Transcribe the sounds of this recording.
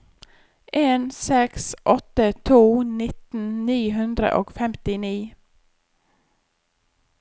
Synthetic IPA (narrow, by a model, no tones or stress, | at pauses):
ʔeːnsɛksʔɔt̪ət̪ʰuːnɪt̪n̩niːɦʉnd̪ɾə̰ʔo̰ːɡ̥fɛmt̪ɪniː